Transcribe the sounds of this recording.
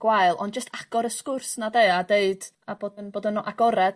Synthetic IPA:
ɡ̥waɨlˠʔɔ̰ndd͡ʒəstʰaɡ̥ɔɾəskʊrsnadeadeɨd̥ | aboːdənboːdənɔʔaɡɔɾɛd̥

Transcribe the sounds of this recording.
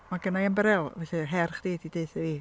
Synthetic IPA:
maɡənajambɛɾɛlˠvɛɬɨɦɛrχd̥iːdideɨθəvi

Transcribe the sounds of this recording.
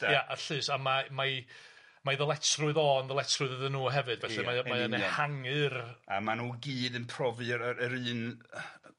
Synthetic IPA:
d̥jaʔaɬɨːsamamaj | majðəlˠɛtʰrʊɨðɔːnðəlˠɛtʰrʊɨðəðənuːɦɛvɨdvɛɬɨmamajənɛhaŋɨramanuːɡiːdənpʰrɔvɨɾəəɾɨːn

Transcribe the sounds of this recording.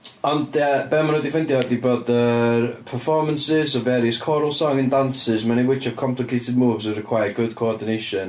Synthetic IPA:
ə̃nəb̥ɛmənədɪfɛ̃ndiəd̪ibəðəpʰəfɔːmə̃nsɪzəvɛːɹiəskʰɔːɾəlˠsɔ̃ŋɪ̃ndãnsɪzmɛnɪwɪt͡ʃəv̥kʰɒ̃mpʰlɪkʰeɪtɪd̚muːvzəvɹɪkʰw̥aɪəd̚ɡʊd̥̚kʰoɔːdɪneɪʃə̃n

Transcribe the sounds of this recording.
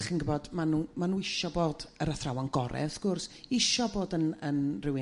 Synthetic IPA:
χinɡəbɔdmanumanuːɪʃɔboːdəɾaθrawanɡɔɾʔɛ̰ðɡ̥ʊrsɪʃɔboːdənənrɪwɪ

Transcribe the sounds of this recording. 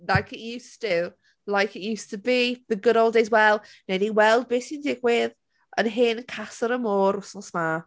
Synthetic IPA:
lajkʰɪʔjustɪlˠ | lajkɪʔjustʰəbiðəɡʊɾɔːlˠdejzwɛlˠneniwɛlˠd̚bɪːsindɪɡwɪð | ənɦɪnkʰasəɾəmoːɾʊsnɔsma

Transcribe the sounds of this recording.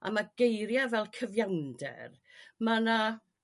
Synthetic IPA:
a̰maɡ̥ejɾjavɛlˠkʰəvjandɛ̰r | mana

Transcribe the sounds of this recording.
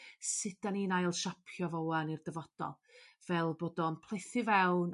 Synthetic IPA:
sɨd̥aninajlˠʃapʰjɔvowanirdəvɔd̥ɔ̰lˠvɛlˠboːdɔnpʰlˠejθɨvɛwn

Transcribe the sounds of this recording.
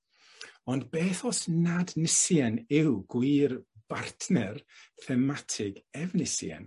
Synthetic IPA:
ɔndbeːθɔsnadnɪsjɛnɪwɡwiːrb̥artʰnɛrθɛmatʰɪɡɛvnɪsjɛ̰n

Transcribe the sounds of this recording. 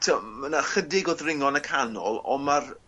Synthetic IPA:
tʰiɔmənaχədɪɡɔðrɪŋɔnəkʰanɔ̰lˠɔ̰mar

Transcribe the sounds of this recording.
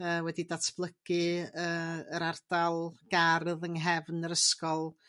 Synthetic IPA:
əːwɛdidatʰb̥lˠəɡ̥ɨəːəɾard̥alˠɡ̥arðəŋɦɛvnəɾəskɔlˠ

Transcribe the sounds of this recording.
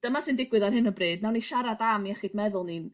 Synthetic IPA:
d̥əmasɨndɪɡwɨðanɦɨnəbriːdnawniʃaɾadamiɛχiːd̚mɛðʊlˠnin

